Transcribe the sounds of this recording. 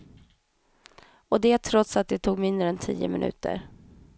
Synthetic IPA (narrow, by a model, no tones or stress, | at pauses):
ɔd̪ɛt̪ʰɾɔt̪sat̪̚d̪ɛt̪ʰuːɡmɪnd̪ɾəɛnt̪ʰiːə̰mɪnʔʉ̟ːt̪ə̰ɾ